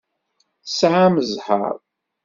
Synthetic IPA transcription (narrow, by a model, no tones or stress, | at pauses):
saʕaməzħa̰ɾ